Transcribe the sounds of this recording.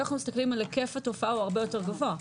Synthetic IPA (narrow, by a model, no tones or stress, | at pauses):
naχnumist̪aklimalke̞fato̞faaoaʁbejo̞teʁɡavoa